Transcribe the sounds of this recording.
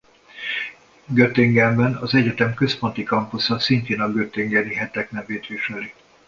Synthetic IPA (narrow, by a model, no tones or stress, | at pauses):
ɡøt̪eŋɡɛmbɛnɒzɛɟɛt̪ɛmkø̞spo̞nt̪ikɒmpusɒsint̪eːnɒɡøt̪eŋɡɛniɦɛt̪ɛknɛɱveːt̪ʋiʃɛli